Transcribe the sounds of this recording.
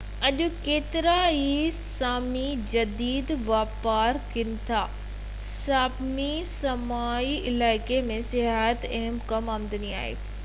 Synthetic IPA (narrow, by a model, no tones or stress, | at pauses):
ɐʄʊ̆keːt̪ɪɾaisaːmid͡ʑɐd̪iːd̪ʋaːpaːɾkɪnɪt̪ʰaː | saːbmisɐmaːiɪlaːɪkemẽsɪɦat̪ɛɦəmkɐmaːmd̪ənia̰ːɦḛː